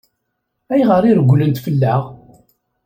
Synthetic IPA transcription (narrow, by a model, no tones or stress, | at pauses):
æjʁəɾˤiɾɡʷːlənt̪fəlːaʁ